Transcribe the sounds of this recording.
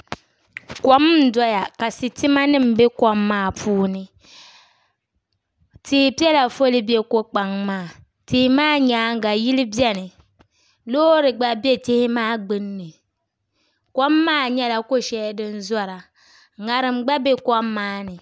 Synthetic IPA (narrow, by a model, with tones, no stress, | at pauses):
kɔ˦m˦n̩˦dɔ˦ja˨ka˨sɪ˨tɪ˦ma˦nɨ˦m̩˨be˦kɔ˦mːaː˦˨pʰuː˦nɨ˨ | tɪ˦hi˨pi˦ɛ˦la˨fo˦lɪ˦be˦ko˦k͡pa˨ŋmaː˦˨ | tɪ˨hɪ˦maː˦ɲaː˨˦ŋ˦ɡa˨ji˦lɪ˦bjɛ˦nɨ˨ | loː˦ɾɨ˨ɡ͡ba˦bje˦tɪ˦hɪ˦maː˦˨ɡ͡bɨ˦nːɨ˨ | kʷɔ˦mːaː˦˨ɲɛ˦la˨ko˦ʃɛ˦dɨ˦n˦zɔ˦ɾa˨ | ŋa˨ɾɨ˨m̩ɡ͡ba˦be˦kɔ˦mːaː˦nɨ˨